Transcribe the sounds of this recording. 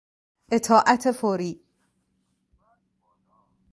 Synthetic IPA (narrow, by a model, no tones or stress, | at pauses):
ʔet̪ʰɒːʔæt̪ʰefoɾiː